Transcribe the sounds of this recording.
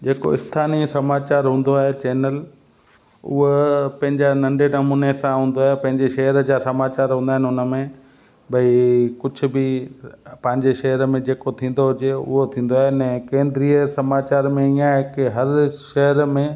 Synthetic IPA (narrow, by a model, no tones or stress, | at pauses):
d͡ʑeːko̰ɪst̪ʰaːnisɐmaːt͡ɕaːɾɦũːnd̪oaːɦet͡ɕeːnəl | ʊ̰ɦopɐ̃ɦɪ̃ɲd͡ʑanɐ̃ɳɖʱenɐmuːnesãɦũːnd̪oaːɦepɐ̃ɦɪ̃ɲd͡ʑeʃɐɦəɾd͡ʑaːsɐmaːt͡ɕaːɾɦũːnd̪aːɦɪ̃nɪɦʊnəmẽ | bʱɐikʊd͡ʑʱʊ̆bɪ | pɐ̃ɦɪ̃ɲd͡ʑeʃɐɦəɾmẽd͡ʑeːkot̪ʰĩːn̆d̪oɦʊd͡ʑeʊ̰ɦot̪ʰĩːn̆d̪oaːɦenɛ̃ːkẽːnd̪ɪɾiəsɐmaːt͡ɕaːɾmẽijãɦɪkɦɐɾʃɐɦəɾmẽ